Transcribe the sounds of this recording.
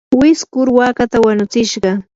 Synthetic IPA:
wɪskʊɾwakat̪awanʊt͡sɪʃɢɑ

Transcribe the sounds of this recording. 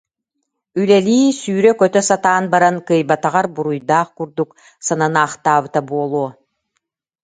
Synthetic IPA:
ylɛliːsyːɾœkœt̪œsat̪aːnbaɾankɯjbat̪aʁaɾbuɾujd̪aːχkuɾd̪uk | sananaːχt̪aːβɯt̪abuɔlˠuɔ

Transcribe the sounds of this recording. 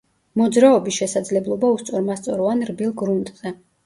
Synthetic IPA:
mɔd̪zɾaɔbisʃɛsad̪zlɛblˠɔbaust̪sʼɔɾmast̪sʼɔɾɔvanɾbilˠɡɾunt̪ʼz̥ɛ

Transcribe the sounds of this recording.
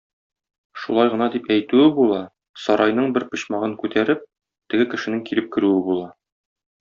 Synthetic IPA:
ʃulˠɑjʁɤ̆nɑd̪ipæjt̪ʉɘbulˠɑ | sɒɾɑjnɤɴbɘɾpɤ̆ɕmɑʁɤŋkʉt̪ʰæɾɘp̚ | t̪ɘ̆ɡɘkɘ̆ʃɘ̆nɘŋkilɘp̚kɘ̆ɾʉɘbulˠɑ

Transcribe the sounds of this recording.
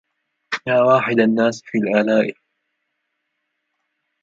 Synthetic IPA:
jaːwaːħɪd̪anːaːsfiːlʔalaːʔɪl

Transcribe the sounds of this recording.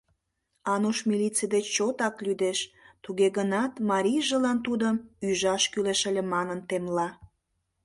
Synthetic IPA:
ɑnuʃmilit͡sid̪et͡ɕːot̪ɑklyd̪eʃt̪uɣeɣənɑt̪mɑɾʲijʒəlɑnt̪ud̪əmyʒɑʃkyleʃəlʲemɑnənt̪emlɑ

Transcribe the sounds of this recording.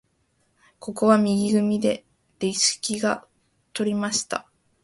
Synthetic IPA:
ko̞ko̞βamʲiɡʲiɡɯ̟mʲid̪e̞ | d̪̥eiɕɨ̥kʲiɡa | t̪o̞ɾʲimaɕi̥t̪a̰

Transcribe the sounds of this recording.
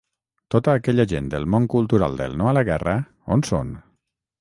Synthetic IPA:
t̪ot̪əːkɛʎaʒend̪əlˠmoŋkulˠt̪uɾa̰lˠd̪ə̰lˠnoaləɣɛrə | onso̰n

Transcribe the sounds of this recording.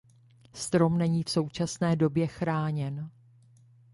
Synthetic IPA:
st̪ɾo̞mnɛɲiːfso̞wt͡ʃasnɛːdo̞bjɛxɾaːɲɛn

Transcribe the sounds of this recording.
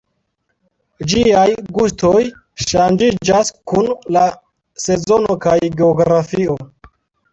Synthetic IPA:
d͡ʒiajɡustʰo̞j | ʃand͡ʒid͡ʒaskunla | se̞zo̞no̞kajɡeoɡɾafio̞

